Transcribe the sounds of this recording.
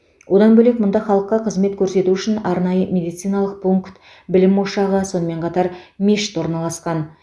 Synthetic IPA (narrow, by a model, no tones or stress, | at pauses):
wʔo̞d̪ɑnbɵle̞k̚mʊnd̪ɑχɑlˠəqːɑqʰəzme̞t̪kʲʰɵɾse̞t̪uʏʃɪnɑɾnɑjəmʲe̞d̪ijt̪sɨjnɑlˠəq̚pʰuŋkt̪ | bɪlɪmwoʃɑʁəso̞nəme̞ɴqʰɑt̪ɑɾmʲeʃɪ̥t̪wo̞ɾnɑlˠɑsqɑn